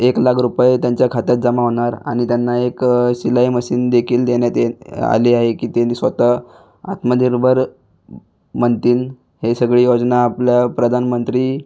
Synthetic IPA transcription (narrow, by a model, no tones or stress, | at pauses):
eklakʰɾupjet̪jãɲt͡ɕjakʰat̪jat̪̚d͡zəmaʋɳ̃aɾa̰ɽ̃it̪janːaekɕilaiməɕiːnd̪ekʰiːld̪eɳjat̪ea̰liaɦekiːt̪enisʋət̪ə | a̰t̪məd̪ʱiɾbʱəɾ | mənt̪iːn | hesəɡɭiːjod͡znaːpljapɾəd̪ʱanmənt̪ɾiː